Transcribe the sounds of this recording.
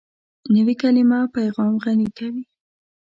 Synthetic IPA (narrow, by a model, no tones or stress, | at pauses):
nəwikalimɑpajɣɑmɣanikawi